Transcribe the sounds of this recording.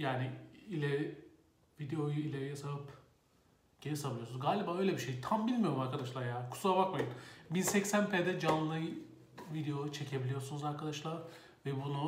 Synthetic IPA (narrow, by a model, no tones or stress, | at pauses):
jaːnɪilʲɛɾ | vid̪eo̞juilʲeɾijɛsavɯp | ɟ̥enisaβnˠujonzɡaːlʲibaːø̞jlʲebiʃejt̪ʰambilʲmijoɾumaɾkʰad̪aʃlˠaɾjaːnkʰu̥suabakmajɯnbinsɛcsænpʰeːd̪ɛd͡ʒanˠnɯj | vid̪ejo̞ut͡ʃʰe̞cʰe̞bilʲijo̞sunuzaɾkʰad̪aʃlˠaɾ | vɛbunu